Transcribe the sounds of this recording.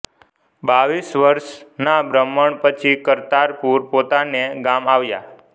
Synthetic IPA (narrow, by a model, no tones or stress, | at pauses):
baʋisʋəɾʃnabɾəmːəɳpət͡ʃʰikəɾt̪aɾpuɾpot̪aneɡamaʋja̰